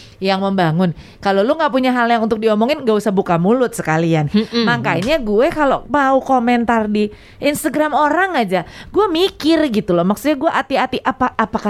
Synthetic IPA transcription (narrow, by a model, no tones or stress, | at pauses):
jaŋməmbaŋʊn | kaloluŋɡaʔpuɲaɦaljaŋunt̪ʊk̚diɔmɔŋɪnŋɡaʔusahbukamulʊt̪̚sə̥kalianmaŋkaiɲaɡuɛkalomaukomɛnt̪ardi | inst̪aɡɾamoɾaŋad͡ʒaɡuamikɪrɡit̪ulɔmaksʊt̪̚ɲaɡuaʔat̪iat̪iʔapaʔapaka